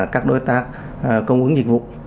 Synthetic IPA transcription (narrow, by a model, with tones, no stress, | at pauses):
kaː˦˥k̚ɗo˨˦jt̪aː˦˥k̚ | kə˧wŋ͡mʔɨ˨˦əŋzi˨˩k̚vṵ˧˨